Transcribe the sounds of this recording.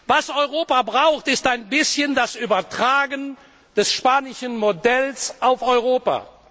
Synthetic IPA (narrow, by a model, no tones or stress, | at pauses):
vasɔʏʁoːpabʁaʊxtɪstaɪnbɪsçəndasʔyːbɐtʁ̥aːɡən | d̥ɛsʃpaːnɪʃənmodɛlsʔaʊfɔʏʁoːpa̰